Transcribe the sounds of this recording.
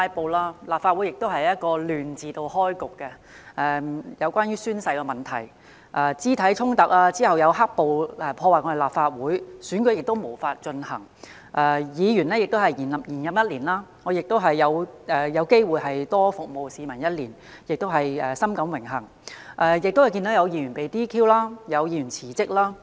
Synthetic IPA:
aː˧jpo˨˧wlaː˥laː˨p̚faː˧u˨˥jɪ˨k̚t̪o˥whɐ˨jɐ˥t̚kɔː˧lyː˨nt͡siː˨˧t̪o˧whɔː˥jkʊ˨kːɛ˧ | ʔɛː˧jɐ˨˧wkʷaː˥nɥyː˥syː˥nsɐ˧jkɛ˧mɐ˨˩nt̪ʰɐ˨˩j | ʔa˨˧t͡siː˥t̪ʰɐ˨˥jt͡ʃʰʊ˥ŋt̪ɐ˨k̚aː˧t͡siː˥hɐ˨˩wjɐ˨˧wɦa˥k̚po˨wɛː˨˩pʰɔː˧waː˨kɔː˨˧˥e˨laː˨p̚faː˧t̚wuː˨˥jsyː˨˥nkɵ˨˥jɪ˨k̚t̪o˥wmo˨˩wfaː˧t̚t͡ʃɵ˧nhɐ̰˨˩ŋ | ʔɛ˨˧jiː˨˧jyː˨˩nɛː˥jɪ˨k̚t̪o˥whɐ˨jiː˨˩nɐ˨p̚jiː˨˩njɐ˨mjɐ˥t̚liː˨˩nlaː˥ŋɔː˨˧jɪ˨k̚t̪o˥wɦɐ˨jːɐ˨˧wʔɛː˨˩jɐ˨˧wke˥jwuː˨˧jɦɐ˨jt̪ɔː˥fʊ˨k̚mo˨wsiː˨˧mɐ˨˩njɐ˥t̚liː˨˩n | jɪ˨k̚t̪o˥wɦɐ˨jɛː˨˩sɐ˥mkɐ˨˥mwɪ˨˩ŋɦɐ˨˩ŋ | ʔɛ˧jɪ˨k̚t̪o˥whɐ˨jki˧nt̪o˨˥wjɐ˨˧wjiː˨˧jy˨˩npe˨jt̪iː˥kʰiː˥wlaː˥jɐ˨˧wjiː˨˧ɥyː˨˩nt͡sʰiː˨˩t͡sɪ˥k̚laː˥

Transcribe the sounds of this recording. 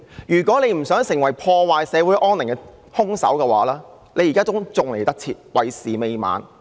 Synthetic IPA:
jyː˨kɔː˨˥le˨˧jm̩˨˩sœː˨˥ŋsɪ˨˩ŋwɐ˨˩jpʰɔː˧waː˨jsɛː˨˧wuː˨˥jʔɔː˥nɪ˨˩ŋkɛ˧ | hʊ˥ŋsɐ̰˨˥wkɛ˧wa̰ː˨˥lɛː˥ | le˨˧jːiː˨kaː˥t͡sʊ˥ŋt͡sʊ˨ŋle˨˩jt̪ɐ˥k̚t͡sʰiː˧t̚wɐ˨jsiː˨me˨˧jma̰ː˨˧n

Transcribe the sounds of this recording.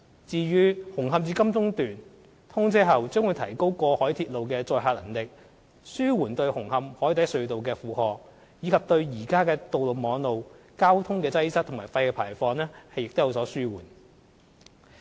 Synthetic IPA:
t͡siː˨˧ɥyː˨˥hʊ˨˩ŋɦɐ˨˧mt͡syː˧kɐ˥mt͡sʊ˥ŋt̪yː˨n | t̪ʰʊ˥ŋt͡siː˥ɦɐ˨wt͡sœː˥ŋwu˨˧jt̪ʰɐ˨˩jko˥wkɔː˧hɔː˨˥jt̪ʰiː˧t̚lo˨wkɛː˧t͡sɔː˧jɦaː˧t̚lɐ̰˨˩ŋlɪ˨k̚ | syː˥wuː˨˩nt̪ɵ˧ɥhʊ˨˩ŋhɐ˧mhɔː˨˥jt̪ɐ˨˥jsɵ˨˧ɥt̪o˨wkɛː˧fuː˨˩hɔː˨k̚ | jiː˨˧kʰɐ˨p̚t̪ɵ˧ɥjiː˨˩kaː˥kɛː˧t̪o˨wlo˨wmɔː˨˧ŋno˨w | kaː˥wt̪ʰʊ˥ŋkɛː˧t͡sɐ˥jsɐ˥k̚t̪ʰmaː˨˩jfɐ˧jkɛː˧pʰaː˨˩fɔː˧nɛː˥hɐ˨jːɪ˨k̚t̪o˥ja˨˧wsɔː˨˥syː˥wuː˨˩n

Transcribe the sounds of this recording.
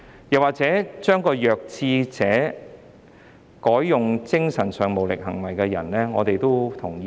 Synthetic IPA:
jɐ˨˩waː˨k̚t͡sɛː˨˥t͡ʃœː˥ŋkɔː˧jœː˨k̚t͡sʰiː˧t͡sɛː˨˥ | kɔː˨˥jːʊ˨ŋt͡sɪ˥ŋsɐ˨˩nsœː˨ŋmo˨˩wlɪ̰˨k̚ɦɐ˨˩ŋwɐ˨˩jkɛː˧jɐ̰˨˩nlɛː˥ŋɔ̰ː˨˧t̪e˨jt̪o˥wt̪ʰʊ˨˩ŋjiː˧

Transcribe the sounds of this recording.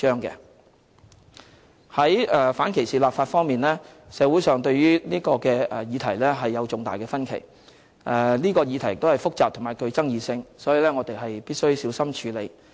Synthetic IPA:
t͡ʃœː˥ŋkɛ̰ː˧ | hɐ˨˥jɛː˨faː˨˥nkʰe˨˩jsiː˨laː˨pfaː˧t̚fɔː˥ŋmiː˨nlɛː˥ | sɛː˨˧wu˨˥jsœː˨ŋt̪ɵ˧ɥɥyː˥niː˥kɔː˧kɛː˧ɛ˨˩jiː˨˧t̪ʰɐ˨˩jlɛː˥ɦɐ˨jːɐ˨˧wt͡sʊ˨˩ŋt̪aː˨jkɛː˧fɐ˥nkʰḛ˨˩j | ʔɛ˨niː˥kɔː˧jiː˧t̪ʰɐ˨˩jɪ˨t̪o˥hɐ˨jfʊ˥k̚t͡saː˨p̪̚ʰʊ˨˩ŋmaː˨˩jkʰɵ˧ɥt͡sɐ˥ŋjiː˨˧sɪ˧ŋsɔː˨˥ji˨˧lɛː˥ŋɔː˨˧t̪e˨jɦɐ˨jpiː˥t̚sɵ˥ɥsiː˨˥wsɐ˥mt͡ʃʰyː˨˧le˨˧j

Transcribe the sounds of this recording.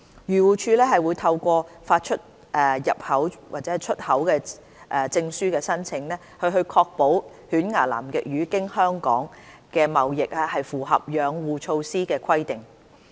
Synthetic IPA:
jyː˨˩wuː˨˩t͡ʃʰyː˧lɛː˥ɦɐ˨jwu˨˧jt̪ʰɐ˧wkʷɔː˧faː˧t̚t͡ʃʰɵ˥t̚ | ʔɛː˨˩jɐ˨p̚hɐ˨˥wwaː˨t̚t͡sɛː˨˥˨t͡ʃʰɵ˥t̚hɐ˨˥wkɛː˧ | ʔɛː˧t͡sɪ˧ŋsyː˥kɛː˧sɐ˥nt͡sʰɪ˧˥ŋlɛː˥hɵ˧ɦɵ˧ɥkʰɔː˧k̚po˨˥w | hyː˨˥nŋaː˨˩la̰ː˨˩mkɪ˨k̚jyː˨˥kɪ˥ŋhœː˥ŋkɔ̰ː˨˥ŋkɛː˧mɐ˨wjɪ˨k̚aː˧hɐ˨jfuː˨˩ɦɐ̰˨p̚jœː˨˧ŋwuː˨t͡ʃʰo˧wsiː˥kɛː˧kʰɐ˥jt̪ɪ˨ŋ

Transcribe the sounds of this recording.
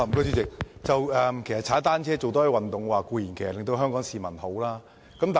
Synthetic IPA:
kɔ˥sy˥t͡sɪ˨k̚t͡sɐ˨wɛː˨˧mkʰe˨˩sɐ˨t̚t͡sʰaː˨˥t̪aː˥nt͡sʰɛː˥t͡so˨wt̪ɔː˥ji˨˩wɐ˨nt̪ʊ˨˩ŋwaː˨˩kuː˧jiː˨˩nkʰːlɪ˨ŋt̪o˧wɦœː˥ŋkɔː˨˥ŋsiː˨mɐ˨˩nho˨˥wlaː˥ | kɐ˨˥mt̪aː˨

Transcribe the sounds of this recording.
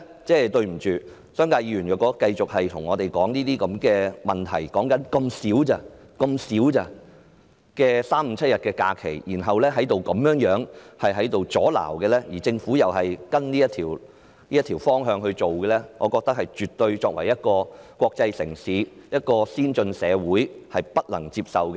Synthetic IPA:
t͡sɛː˥˩t̪ɵ˧ɥm̩˨˩t͡ʃyː˨ | sœː˥ŋkaː˧jiː˧ɥyː˨˩njœː˨˩kːɔː˨˥kɐ˧jt͡sʊ˨k̚hɐ˨jt̪ʰʊ˨˩ŋɔː˨˧t̪e˨˩jkɔː˨˥ŋniː˥t̪iː˥kɐ˨˧mkɛː˧mɐ˨˩nt̪ʰɐ˨˩jkɔː˨˥ŋkɐ˨˥nkɐ˧msiː˨˥wt͡sɐ˧ | kɐ˧msiː˨˥wt͡sɐ˧ | kɛː˧saː˥m̩˨˧˥t͡sʰɐ˥t̚jɐ˨t̚kɛː˧ka̰ː˧kʰe˨˩jjiː˨˩nɦɐ˨wlɛː˥ɦɐ˨˥jt̪o˨wkɐ˨˥mjœː˨˥ŋjœː˨˥ŋhɐ˨jɦɐ˨˥jt̪o˨wt͡sɔː˨˥la̰ː˨˩wkɛː˧lɛː˥jiː˨˩t͡sɪ˧ŋfu˨˥jɐ˨whɐ˨jkɐ˥nliː˥jɐ˥t̪ʰiː˨˩w | niː˥jɐ˥t̪ʰi˨˩wfɔː˥ŋɦœː˧ŋhɵ˧ɥt͡ʃo˨wkɛː˧lɛː˥ŋɔː˨˧kɔː˧k̚t̪ɐ˥k̚hɐ˨jt͡ʃyː˨t̪ɵ˧ɥt͡ʃɔː˧k̚wɐ˨˩jɐ˥t̚kɔː˧kwɔː˧k̚t͡sɐ˧jsɪ̰˨˩ŋsiː˨˥jɐ˥t̚kɔː˧siː˥nt͡ʃɵ˧nsɛː˨˧wuː˨˥jhɐ˨jpɐ˥t̚lɐ˨˩ŋt͡siː˧p̚sɐ˨wkɛ˧

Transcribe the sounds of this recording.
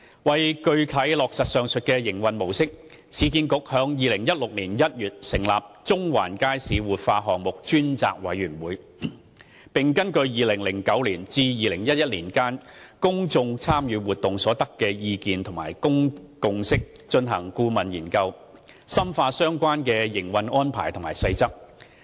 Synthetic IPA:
wɐ˨jkɵ˧ɥkʰɐ˨˥jlɔː˨k̚sɐ˨t̚sœː˨ŋsɵ˨t̚kɛː˧jɪ˨˩ŋwɐ˨nmo˨˩wsɪ˥k̚ | siː˨˥kiː˧nkʊ˨k̚hœː˨˥ŋjiː˨lɪ˨˩ŋjɐ˥t̚lʊ˨k̚liː˨˩njɐ˥t̚jyː˨t̚sɪ˨˩ŋla̰ː˨p̚t͡ʃt͡sʊ˥ŋwa̰ː˨˩nkaː˥jsiː˨˧wuː˨˩t̚faː˧ɦɔː˨ŋ̚mʊ˨k̚t͡ʃyː˥nt͡sa̰ː˨k̚wɐ̰˨˥jɥyː˨˩nwuː˨˧j | pɪ˨ŋkɐ˥nkɵ˧ɥjiː˨lɪ˨˩ŋlɪ˨˩ŋkɐ˨˥wliː˨˩nt͡siː˧jiː˨˧lɪ˨˩ŋjɐ˥t̚jɐ˥t̚liː˨˩nkaː˥nkʊ˥ŋt͡sʊ˧ŋt͡sʰaː˥mjyː˨˧wuː˨˩t̪ʊ˨ŋsɔː˨˥t̪ɐ˥kːɛː˧jiː˧kiː˨˧nt̪ʰʊ˨˩ma̰ː˨˩jkʊ˥ŋkʊ˨˧ŋsɪ˥k̚ | t͡ʃɵ˧nɦɐ˨˩ŋkuː˥mɐ˨njiː˨˩nkɐ˧w | sɐ˥mfaː˧sœː˥ŋkʷaː˥nkɛː˧jɪ˨˩ŋwɐ˧nɔː˥npʰa̰ː˨˩jt̪ʰʊ˨˩ŋmaː˨˩jsɐ˧jt͡sɐ˥k̚

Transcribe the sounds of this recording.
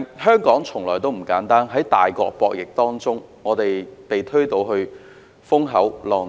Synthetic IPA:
ɦœː˥ŋkɔː˨˥ŋt͡sʰʊ˨˩ŋlɔː˨˩jt̪o˥wm̩˨˩kaː˨˥nt̪aː˥nɦɐ˨˥jt̪aː˨jkɔ̰ː˧k̚pɔː˧k̚jɪ˨k̚t̪ɔː˥ŋt͡sʊ˥ŋŋɔː˨˧t̪e˨jpe˨˩jt̪ʰɵ˥ɥt̪o˨˧wɦɵ˧ | fʊ˥ŋɦɐ˨˥wlɔː˨˧

